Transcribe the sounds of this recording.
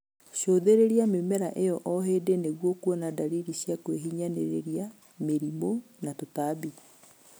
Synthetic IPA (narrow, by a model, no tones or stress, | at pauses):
ɕoːðeɾeɾiamemɛɾaʔejɔʔɔɦeːdeneɣwɔkwɔnadaɾiɾiɕjakweɦiɲanḛɾḛɾia | meɾimonatotabi